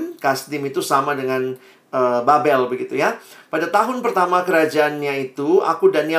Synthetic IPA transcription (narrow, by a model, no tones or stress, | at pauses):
mkast̪ɪmit̪usamadəŋan | əbabɛlbəɡit̪ujapadat̪aɦʊnpərt̪amakəɾad͡ʒaːnɲait̪ua̰kudania